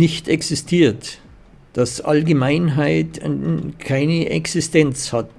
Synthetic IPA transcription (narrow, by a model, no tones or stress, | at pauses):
ɪçtɛksɪstʰiːɐt | d̥asʔa̰lɡəmaɪnɦaɪtkʰaɪnəʔɛ̰ksɪstɛnt͡shat̚